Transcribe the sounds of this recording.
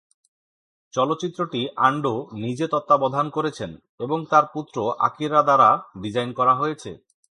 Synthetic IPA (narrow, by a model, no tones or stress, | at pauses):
t͡ɕɔlot̪ːɕit̪ːɾoʈiʔaɳɖonid͡ʑet̪ɔt̪ːabɔd̪ʱankoɾet͡ɕʰen | eboŋt̪aɾput̪ːɾoʔa̰kiɾːad̪aɾabid͡ʑajnkɔɾaɦojet͡ɕʰḛ